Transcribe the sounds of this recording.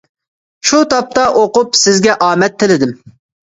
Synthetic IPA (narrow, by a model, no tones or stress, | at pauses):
ʃut̪ʰɑp̚t̪ɑʔoqʊpsɪzɡʲɛʔɑːmɛt̪ʰːɪlɪd̪ɪm